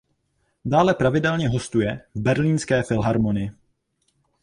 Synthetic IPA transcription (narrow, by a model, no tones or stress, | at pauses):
daːlɛpɾavɪdɛlɲɛɦo̞st̪ujɛvbɛɾliːnskɛːfɪlɦaɾmo̞nɪɪ